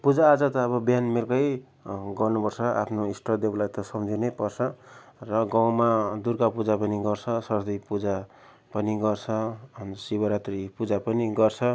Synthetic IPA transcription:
pud͡zaːd͡zʌt̪ʌːbʌbjanmirkʌj | ɡʌrnopʌrsʰʌa̰pʰnoisʈʌd̪eblajt̪ʌsʌmd͡zinepʌrt͡sʰʌrʌɡaw̃mad̪urkapud͡zapʌniɡʌrt͡sʰʌsʌrd̪ʌjpud͡za | pʌniɡʌrt͡sʰʌnsibʌɾat̪ripud͡zapʌniɡʌrt͡sʰʌ

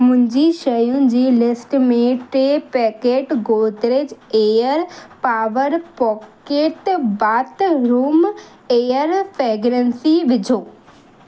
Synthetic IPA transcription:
mʊ̃ɦɪ̃ɲd͡ʑiʃɐjũd͡ʑiːlɪsʈmẽʈɾeːpɛkeːʈɡoːd̪ɾeːd͡ʑeəɾpaːʋəɾpɔːkeʈbaːt̪ɾuːm | ejəɾfʰeːɡɾənsiʋɪd͡ʑʱoː

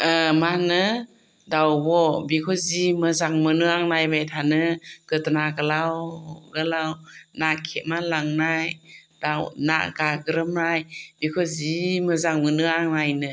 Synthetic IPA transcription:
əmanɯ | dawbɔbikʰɔzimɯzaŋmɯnɯaŋnajbajtʰanɯɡ̥ɯtnaɡalawɡalawnakʰemalaŋnajdawna̰ʔɡaɡɯɾɯmɾajbikʰɔzimɯzaŋmɯnɯaŋnajnɯ

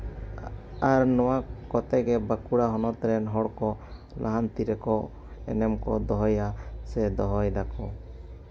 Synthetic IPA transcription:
aɾnɔwakɔt̪ɛɡɛbakuɽaɦɔnɔt̪ɾɛnɦɔɽkɔ | lʔaɦant̪iɾɛkɔ | ɛ̰nɛmkɔ̰d̪ɔɦɔjasɛd̪ɔɦɔjlakʰɔ

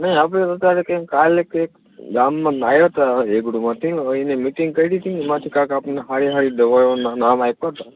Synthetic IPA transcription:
nəĩap̬ɽetət̪aɾekẽŋkalekek | ɡamːãnajot̪aeɡɽumãt̪ʰiinemiʈĩŋɡ̚kəiɾit̪ʰĩmãt̪ʰikãkapneɦaɾiɦaɾid̪əʋajonnamajkət̪a

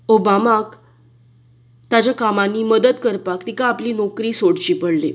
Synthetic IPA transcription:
obamak | t̪at͡ɕakamanːiːməd̪əd̪kəɾpakt̪ikaːpliːnɔkɾiːsoɽt͡ɕiːpəɽle

